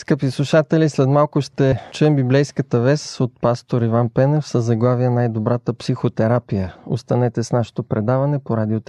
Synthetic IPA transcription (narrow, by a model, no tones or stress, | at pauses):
skəpislˠuʃat̪ɛlislɛt̪malˠkʊʃt̪ɛt͡ʃuɛmbiblɛjskət̪əvɛsot̪̚past̪oɾivanpɛnɛfsəzɐɡlˠaviənajd̪obɾat̪əpsixot̪ɛɾapijəo̰st̪ɐnɛt̪ɛsnaʃe̥t̪opɾɛd̪avɐnɛpoɾad̪iot̪